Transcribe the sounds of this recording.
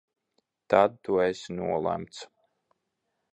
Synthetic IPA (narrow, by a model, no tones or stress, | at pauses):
t̪ad̪̚t̪uesnuɔlˠæ̰mt̪s